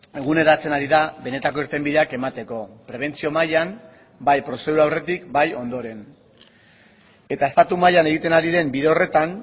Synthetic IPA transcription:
e̞ɣ̞une̞ɾat͡se̞naɾiðaβe̞ne̞t̪ako̞iɾt̪e̞mbiðe̞ake̞mat̪e̞ko̞pɾe̞β̞e̞nt͡sio̞majam | bajpɾo̞se̞ðuɾaːwre̞t̪ikbajo̞nd̪o̞ɾe̞n | e̞t̪ae̞st̪at̪umajane̞ɣit̪e̞naɾiðe̞mbiðeore̞t̪an

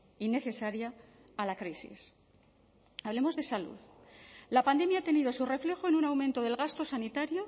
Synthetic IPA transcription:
ine̞θe̞saɾjaː | lakɾisḭs | aβle̞mo̞zðe̞salṵðlapand̪e̞mjaːt̪e̞nið̞o̞sure̞fle̞xoenunawmẽnt̪o̞ðe̞lɣast̪o̞sanit̪aɾjo̞

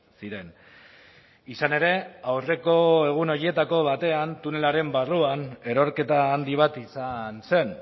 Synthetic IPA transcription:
siɾe̞n | isane̞ɾe̞awre̞ko̞e̞ɣ̞uno̞ɾie̞t̪ako̞β̞at̪e̞ant̪une̞laɾe̞mbaruane̞ɾo̞ɾke̞t̪aːnd̪iβ̞at̪isanse̞n

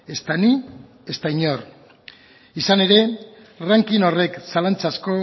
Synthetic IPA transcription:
e̞st̪ani | e̞st̪aiɲo̞r | isane̞ɾe̞ | raŋkino̞re̞ksalant͡sasko̞

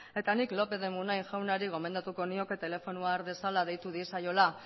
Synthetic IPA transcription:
e̞t̪aniklo̞pe̞ðe̞munajʝawnaɾiɣ̞o̞me̞nd̪at̪uko̞nio̞ke̞t̪e̞le̞fo̞nuaɾβe̞salað̞ejt̪uð̞isajo̞la

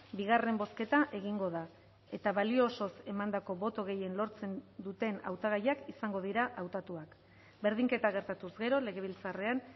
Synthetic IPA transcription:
biɣ̞are̞mbo̞ske̞t̪aʔe̞ɣiŋɡo̞ða | e̞t̪aβalioso̞se̞mand̪ako̞βo̞t̪o̞ɣ̞e̞je̞nlo̞ɾt͡se̞nd̪ut̪e̞na̰wt̪aɣ̞ajakisaŋɡo̞ð̞iɾaʔawt̪at̪uak | be̞ɾðiŋke̞t̪aɣ̞e̞ɾt̪at̪uzɡe̞ɾo̞le̞ɣ̞e̞β̞ilt͡sare̞an

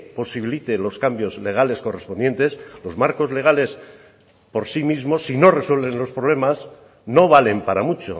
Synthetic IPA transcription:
po̞siβ̞ilit̪e̞lo̞skambjo̞zleɣale̞sko̞re̞spo̞nd̪je̞nt̪e̞slo̞zmaɾko̞zleɣ̞ale̞s | po̞ɾsimizmo̞sːino̞re̞swe̞lβẽ̞nlo̞spɾo̞β̞le̞maz | no̞βale̞mpaɾamut͡ʃo̞̰

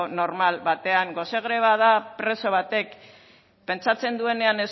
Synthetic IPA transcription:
no̞ɾmalβat̪e̞aŋɡo̞seɣ̞ɾe̞β̞aðapɾe̞so̞β̞at̪e̞k | pe̞nt͡sat͡se̞nd̪ue̞ne̞ane̞s

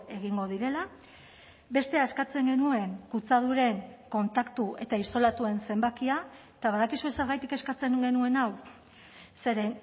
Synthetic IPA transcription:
e̞ɣ̞iŋɡo̞ð̞iɾe̞la | be̞st̪e̞aeskat͡se̞ŋɡe̞nue̞ŋkut͡sað̞uɾe̞ŋko̞nt̪akt̪uʔe̞t̪aiso̞lat̪ue̞nse̞mbakiaet̪aβ̞aðakisue̞se̞ɾɣajt̪ike̞skat͡se̞ŋɡe̞nue̞naw | se̞ɾe

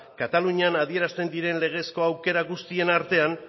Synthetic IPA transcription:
kat̪aluɲianað̞ie̞ɾast̪e̞nd̪iɾe̞nle̞ɣ̞e̞sko̞awke̞ɾaɣust̪ie̞naɾt̪e̞an

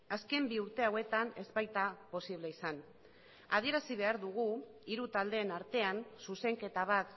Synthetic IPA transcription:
aske̞mbiuɾt̪e̞awe̞t̪ane̞zβajt̪apo̞siβ̞le̞isan | að̞ie̞ɾasiβ̞e̞aɾðuɣ̞u | iɾut̪ald̪e̞ːnaɾt̪e̞ansuse̞ŋke̞t̪aβ̞at̪

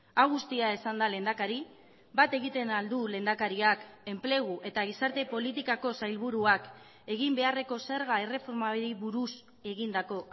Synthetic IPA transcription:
aɣust̪iae̞sand̪ale̞nd̪akaɾi | bat̪e̞ɣit̪e̞nald̪ule̞ːnd̪akaɾiake̞mple̞ɣ̞uʔe̞t̪aɣ̞isaɾt̪e̞po̞lit̪ikako̞sajlβuɾuak | e̞ɣimbe̞are̞ko̞se̞ɾɣae̞re̞fo̞ɾmaɾiβuɾus | e̞ɣind̪ako̞

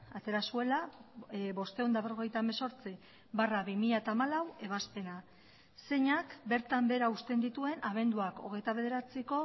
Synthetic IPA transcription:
at̪e̞ɾasue̞la | bo̞st̪e̞ond̪aβroɣe̞jt̪ame̞so̞ɾt͡si | baraβimiʎat̪aːmalawe̞β̞aspe̞na | se̞ɲakbe̞ɾt̪ambe̞ɾaust̪e̞nd̪it̪ue̞naβ̞e̞nd̪uako̞ɣ̞e̞jt̪aβe̞ð̞e̞ɾat͡seko̞

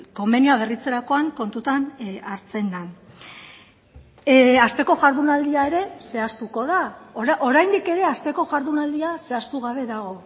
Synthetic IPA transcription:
ko̞me̞nioaβerit͡se̞ɾako̞aŋko̞nt̪ut̪anaɾt͡se̞nːan | ast̪e̞ko̞ʝaɾðunald̪iae̞ɾe̞se̞ast̪uko̞ð̞aʔoɾajnd̪ike̞ɾe̞ast̪e̞ko̞ʝaɾðunald̪iase̞ast̪uɣaβe̞ðaɣ̞o̞

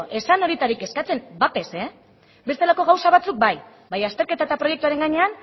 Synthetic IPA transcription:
ʔe̞sano̞ɾit̪aɾike̞skat͡se̞mbat̪e̞se | be̞st̪e̞lako̞ɣ̞awsaβ̞at͡suk̚baj | bajast̪e̞ɾke̞t̪aet̪apɾo̞je̞kt̪uaɾe̞ŋɡaɲe̞an

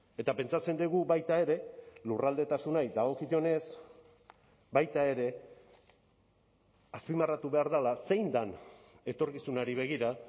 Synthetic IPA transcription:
e̞t̪ape̞nt͡sat͡se̞nd̪eɣubajt̪ae̞ɾe̞lurald̪e̞t̪asunajd̪aɣ̞o̞kit̪o̞ne̞s | bajt̪ae̞ɾe̞ | aspimarat̪uβe̞aɾðalase̞jnd̪an | e̞t̪o̞ɾkisunaɾiβ̞e̞ɣ̞iɾa

